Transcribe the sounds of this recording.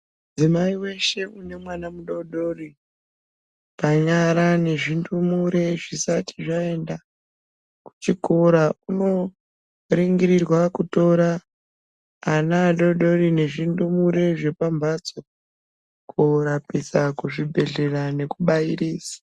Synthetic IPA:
m | d͡zimaiwe̞ʃe̞une̞mwanamuɗo̞ɗo̞ri | paɲaɾane̞ʐindumuɾe̞ʐisati̥ʐae̞nda | ku̥t͡ʃikoɾauno̞ | riŋɡiɾirwakuto̞ɾa | naːɗo̞ɗo̞ɾine̞ʐindumuɾe̞ʐe̞pambat͡so | kʰoɾapisakuʐibʱe̞ɮe̞rane̞kuɓaiɾiːsḁ

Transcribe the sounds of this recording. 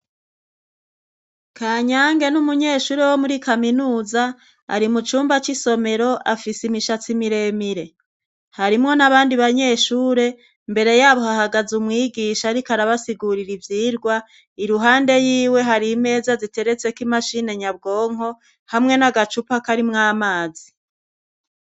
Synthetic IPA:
kʰaːɲaːŋɡe̞numuɲe̞ːʃuːɾe̞wo̞muɾikaminuːza | a̰ɾimut͡ʃuːmbat͡ʃiso̞me̞ɾo̞ʔafisimiʃat͡simiɾe̞miɾe̞ | haɾimŋo̞naβaːndiβaɲe̞ːʃuːɾe̞ | mbe̞ɾe̞jaːβo̞hahaɡazumŋiːɡiʃaɾikaɾaβasiɡuɾiɾivjiːɾɡwa | iɾuɦaːnde̞jiːwe̞ɦaɾime̞ːzazite̞ɾe̞t͡se̞kimaʃine̞ɲab̚ɡo̞ːŋ̥o̞ | hamŋe̞naɡat͡ʃupakaɾimŋaːmaːzi

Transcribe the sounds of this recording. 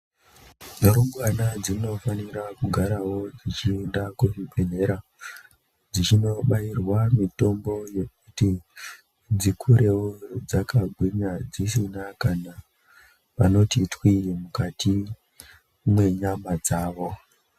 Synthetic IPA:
noɾoɡwanad͡zino̞faniɾakuɡʱaɾawo̞d͡zit͡ʃindakuʐiɓen̤e̞ɾa | d͡zit͡ʃino̞ɓairwamito̞mbo̞je̞k̚uti | d͡zikʰuɾe̞wod͡zakaɡʱwiɲad͡zis̬inakana | pano̞titwijemukatʰi | mwe̞ɲamad͡zaːʋo̞

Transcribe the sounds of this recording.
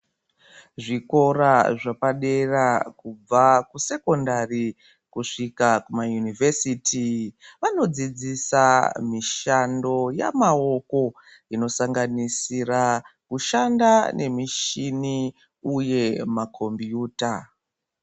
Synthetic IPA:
ʐiko̞raʐapaɗe̞rakub͡vakuse̞ko̞ndari | kuʂikakumajunivesiːtʰiʋano̞d͡zid͡zisamiʃando̞ja̰mao̞ko̞ | ino̞saŋɡanisirakuʃandanʔe̞miʃini | uje̞makʰo̞mbijuːta

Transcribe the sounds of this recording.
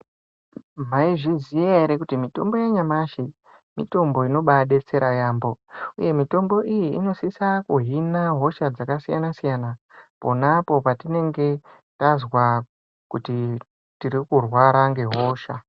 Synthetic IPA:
m̤aiʐizijeeɾekutimito̞mbo̞jeɲamaʃi | mḭto̞mbo̞ino̞ɓaɗe̞t͡se̞ɾajaːmbo̞ṵje̞mito̞mbo̞ʔijiḭno̞sisakuɦinaɦo̞ʃad͡zakasijanasijana | po̞napo̞patine̞ŋɡe̞ | tazwa | kuti | tiɾikurwaɾaŋɡe̞ɦo̞ːʃa

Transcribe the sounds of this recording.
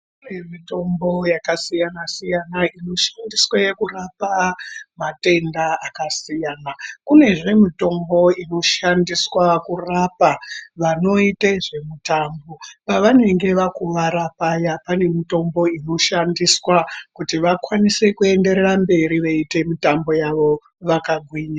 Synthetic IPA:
unemito̞mbo̞jakasijanasijanaino̞ʃandiswaje̞kurapamate̞ndaakasijaːnakune̞ʐe̞mito̞mbo̞ino̞ʃandiswakurapaʋano̞iteʐe̞mutambo̞paʋane̞ŋɡe̞ʋakuʋaɾapajapane̞mito̞mbo̞ino̞ʃandiswakutiʋakwanise̞kue̞nde̞ɾerambe̞ɾiʋeite̞mitambo̞jaʋo̞ | ʋakaɡʱwiːɲa

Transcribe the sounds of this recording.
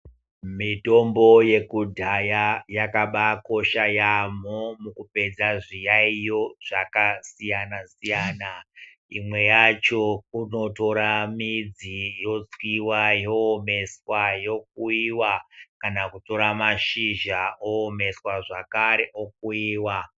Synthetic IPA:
mito̞mbo̞je̞kudʱajajakaɓako̞ʃajamomukupe̞d͡zaʐijaijo̞ʐ̥akasijanasijaːna | imwe̞jat͡ʃo̞uno̞to̞ɾamid͡zijo̞t͡swiwajoːme̞swajo̞k̚uiwakanakuto̞ɾamaʃiʒaoːme̞swaʐakaɾeʔok̚uiːwa

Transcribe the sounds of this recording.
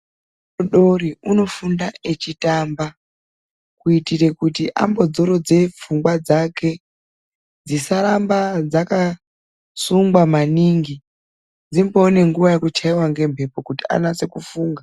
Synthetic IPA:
oɗo̞riuno̞fundae̞t͡ʃitamba | kuitire̞kutiʔa̰mbo̞d͡zo̞ɾo̞d͡ze̞p͡fuŋɡwad͡zake̞ | d͡zisaɾambad͡zaka | suŋɡwamaniŋɡi | d͡zimboːne̞ŋɡuʋajekut͡ʃaiwaŋɡe̞mpe̞po̞kutia̰nase̞kufuːŋɡa

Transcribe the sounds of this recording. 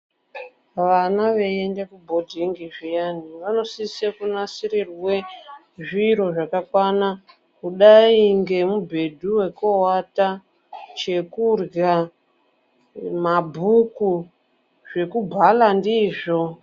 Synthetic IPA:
ʋanaʋe̞endekubʱo̞dʱiŋɡiʐijaniʋano̞sisekunasiɾirwe̞ | ʐiɾo̞ʐakakwana | kuɗaiŋɡe̞mubʱe̞dʱuwe̞kowata | t͡ʃe̞kurɡa | mabʱuku | ʐe̞kubʱalandiːʐo

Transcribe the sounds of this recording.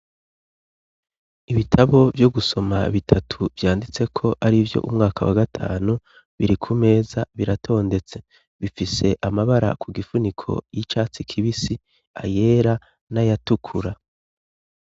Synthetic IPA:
iβitʰaβo̞vjo̞ɡuso̞maβitʰatʰuvjaːndit͡se̞kʰo̞ʔaɾivjo̞̰ʔumŋaːkʰawa̰ɡatʰa̰ːnu | βiɾikʰume̞ːzaβiɾatʰo̞ːnde̞t͡se̞ | βifise̞ʔamaβaɾa̰kʰuɡifunikʰo̞̰jit͡ʃaːt͡sikʰiβisi | a̰je̞ːɾa | najatukʰuɾa

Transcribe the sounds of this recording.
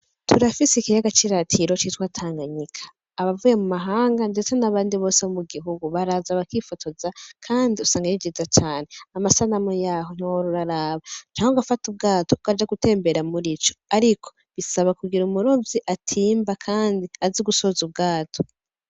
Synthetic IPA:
tʰuɾafisikiɾaɡat͡ʃiɾatʰiɾo̞t͡ʃitwaːtʰaːŋɡaɲikʰḁː | βavuje̞mumaɦaːŋɡande̞t͡senaβaːndiβo̞ːseβomuɡiɦuɡuβaɾaːzaβakifotʰozakʰaːndiusaːŋɡajid͡ʒizat͡ʃaːneamasanamojaːɦon̥iwoɾuɾaɾaːβat͡ʃaːŋɡoɡafatub̚ɡaːtoukad͡ʒaɡute̞ːmbeɾamuɾit͡ʃo̥aɾikʰo̞̥ | βisaβakuɡiɾumuɾo̞viʔatʰiːmbakʰaːndiaziɡuso̞ːzub̚ɡaːtʰo̥

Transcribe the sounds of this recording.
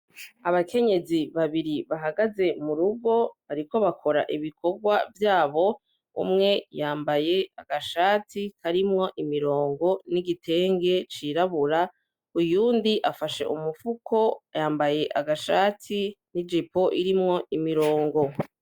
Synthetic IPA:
aβakʰe̞ɲe̞ziβaβiɾiβaɦaɡaze̞muɾubɡo̞βaɾiko̞βakʰo̞ɾa̰ʔiβikʰo̞ɡwavjaːβo̞ | ṵmŋe̞jaːmbaje̞aɡaʃaːtikʰaɾimŋo̞ʔimiɾo̞ːŋɡo̞niɡitʰe̞ːŋɡe̞t͡ʃiɾaβuɾa | ujuːndiʔafaʃe̞̰ʔumufukʰo̞jaːmbaje̞ʔaɡaʃaːtʰinid͡ʒipo̞ʔiɾimŋo̞ʔimiɾo̞ːŋɡo̞

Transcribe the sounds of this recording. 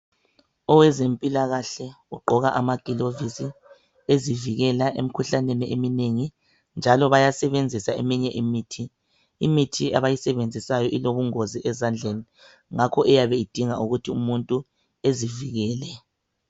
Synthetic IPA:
ɔwɛzempʼilaɣaɬɛ | uɡ͡ǃʱɔɣaʔamaɡ̥ʼʱilovisi | eziviɣɛlaʔḛm̩kʰuɬaneniʔemineŋi | nd͡ʒʱalɔβajasɛβend͡zʱisaemiɲɛʔimiːtʰiː | mitʰiaβajisɛβend͡zʱisajɔʔiloβuŋoziʔɛzand͡ɮʱeni | ŋakʰɔʔɛjaβɛid̥ʱiŋauɣutʰiumuntʼu | eziviɣɛːlɛ

